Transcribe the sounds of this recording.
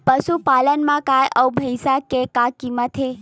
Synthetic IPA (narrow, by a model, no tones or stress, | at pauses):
pəʃupalənmãkajʔəubʱəjsakekakimət̪ʰɦe